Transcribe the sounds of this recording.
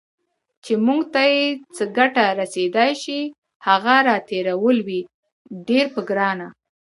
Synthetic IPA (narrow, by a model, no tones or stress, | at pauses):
t͡ʃemuɡt̪ajet͡səɡaʈaɾased̪ɑjʃi | haɣaɾɑt̪eɾawəlwi | ɖeɾpəɡɾɑna